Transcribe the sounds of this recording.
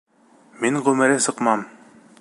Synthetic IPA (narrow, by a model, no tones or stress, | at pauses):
miɴʁɵ̆mɘ̆ɾɘsɤ̆qmɑm